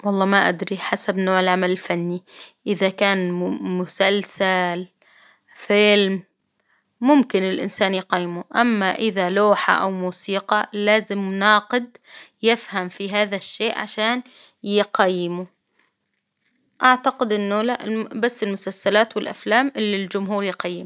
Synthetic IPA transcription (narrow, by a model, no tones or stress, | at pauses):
wɑlˤːɑːmaʔad̪ɾiħasabnoːʕɪlʕamalɪlfanːiʔɪðakaːnmʊsalsal | fɪlmː | ʊmkɪnɪlʔɪ̰nsaːnjqɑjːɪmuʔamːaʔɪðaluːħa̰ʔa̰wmuːsiːqɑlaːzɪmnɑːqɪd̪jɪfhamfiɦaːðaʃːeːʔʕa̰ʃaːn | jqajːɪmu | ʔaʕt̪aqɪd̪ʔɪnːʊlaʔbasːɪlmʊsalsalaːt̪wɪlʔa̰flaːmʔɪlːild͡ʒʊmɦuːɾjqɑjːɪm